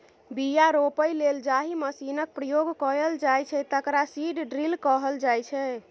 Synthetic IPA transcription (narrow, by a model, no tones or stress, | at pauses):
bijaɾopəjleld͡ʒaɦiməsinək̚pɾəjoɡkəɾəld͡ʒajt͡ʃʰɛt̪əkɾasiɖɖɾilkəɦəld͡ʒajt͡ʃʰɛ